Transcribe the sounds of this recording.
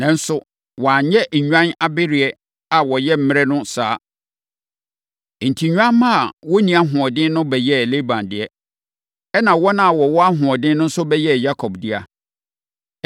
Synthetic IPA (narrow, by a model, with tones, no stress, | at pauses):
nã˨n̩˦sʊ˦ | wɔ̃˨a˨ɲɛ˦˨ɲᶣã˦na˨bɪ˦ɾɪ˨ɛ˦ | a˨wɔ˨jɛ˦m̩˦mɪ̃˦ɾɛ˦nʊ̃˦saː˨˦˨ | n̩˨tʰi˨ɲᶣ˦ã˦mã˦a˨wɔ˦nĩ˨a˦ɦʊ̃˨ɔ˨dɪ̃˦nnʊ̃˦bɛ˨jɛ˦˨le˦bã˨ndɪ˨ɛ˦ | ɛ˦nã˨wɔ˦nã˨a˨wɔ˨wɔ˦a˦ɦʊ̃˨ɔ˨dɪ̃˦nʊ̃˦n̩˦sʊ˦bɛ˦jɛ˦˨ja˦kʰɔ˨bdɪ˦a˦